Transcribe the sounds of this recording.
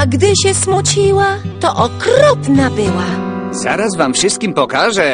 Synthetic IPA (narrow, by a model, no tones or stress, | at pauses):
aɡd̪ɘɕɛsmut͡ɕiwat̪ɔʔɔkɾɔpnabɘwaz̥a̰ɾazvamfʂɨst̪kʲimpɔkaʐɛ